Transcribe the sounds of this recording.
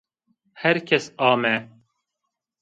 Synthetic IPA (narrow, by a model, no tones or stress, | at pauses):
hɛɾkʰɛsɑːmɛ